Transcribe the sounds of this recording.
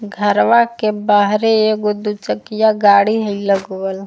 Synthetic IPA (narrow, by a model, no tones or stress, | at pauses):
ɡʱəɾʋakebaːɦɾeeɡʊd̪ut͡ʃəkɪjaɡaːɽiɦəiləɡʋəl